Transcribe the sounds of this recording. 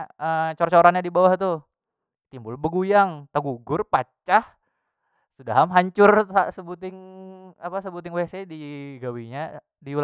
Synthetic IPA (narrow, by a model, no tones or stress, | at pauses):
ət͡ʃort͡ʃoɾanɲadibawaht̪u | t̪imbʊlbəɡujaŋt̪əɡuɡʊrpat͡ʃah | sudaɦamɦaɲt͡ʃʊrsasəbut̪ɪŋapasəbut̪ɪŋwesediɡawiɲa | diul